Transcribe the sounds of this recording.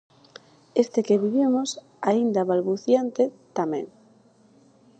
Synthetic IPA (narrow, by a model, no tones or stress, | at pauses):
est̪ekeβiβimos | aind̪aβalβuθjant̪et̪amḛ̃ŋ